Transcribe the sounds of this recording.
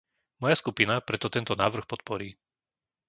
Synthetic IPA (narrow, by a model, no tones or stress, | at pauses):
mɔjaskupinapɾɛt̪ɔt̪ɛnt̪ɔnaːʋr̩xpɔt̪̚pɔɾiː